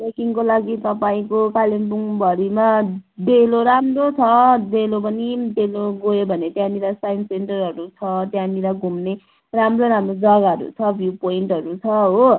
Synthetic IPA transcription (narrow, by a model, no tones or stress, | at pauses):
pekiŋkolaɡit̪ʌpaĩkokalembuŋbʱʌɾima | d̪eloɾamrot͡sʰʌd̪elop̬ʌnid̪eloɡojobʱʌnet̪jãniɾasajnseɳʈʌrɦʌɾut͡sʰʌt̪jãniɾaɡʱumne | ramroɾamrod͡zʌɡaɦʌɾṵt͡sʰʌbʱjupoiɳʈɦʌɾut͡sʰʌɦo